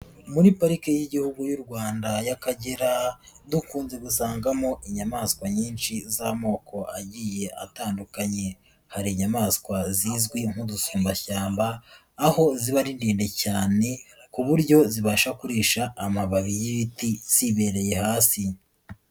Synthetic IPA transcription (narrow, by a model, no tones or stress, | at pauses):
muɾipaɾikejiɟihuɡujuɾɡwaːndajakaɟeɾadukuːnze̞ɡusaːŋɡamo̞ʔiɲamaskwaɲiːnʃizamo̞ːkʰo̞aɟiːje̞ʔa̰taːndukaɲe̞ | haɾiɲamaskwaziːzɡwiŋ̥hudusuːmbaçaːmbaː | ho̞ziβaɾindiːnde̞caːne̞kuβuɾɟo̞ziβaʃakuɾiːʃaːmaβaβijiβitiz̥iβe̞ːɾe̞je̞haːsi